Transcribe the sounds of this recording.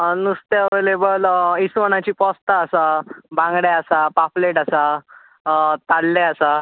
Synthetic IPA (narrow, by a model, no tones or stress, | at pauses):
nust̪eəʋelebəlisʋəñat͡ɕiːpɔst̪aːsabãŋɡɽaasapafleʈasa | t̪alːeasa